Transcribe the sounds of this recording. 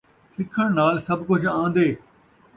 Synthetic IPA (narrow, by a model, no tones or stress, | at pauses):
sɪkʰːəɽ̃naːlsɐbkʊd͡ʑʱãːn̆d̪eː